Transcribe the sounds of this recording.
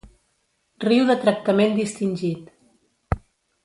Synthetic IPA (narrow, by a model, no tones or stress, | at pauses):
riwðət̪ɾək̚t̪əmend̪ist̪inʲʒit̪